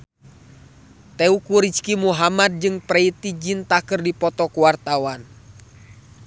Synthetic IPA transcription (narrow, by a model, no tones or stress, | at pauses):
t̪ɛukuɾit͡ʃkimuɦamad̚d͡ʒɨŋpɾɛit̪id͡ʒint̪akɨrdipɔt̪ɔkuwart̪awan